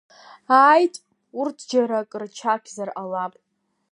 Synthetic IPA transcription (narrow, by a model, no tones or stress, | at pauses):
aːjtʼ | urtʰd͡ʒaɾakʼrt͡ʃʰakʲʰzaralapʼ